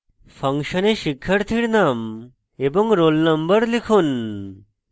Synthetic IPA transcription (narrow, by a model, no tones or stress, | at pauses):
pʰɐŋʃəneʃikʰːəɾt̪ʰiɽnam | ebɔŋɡɾolnəmbəɾlikʰun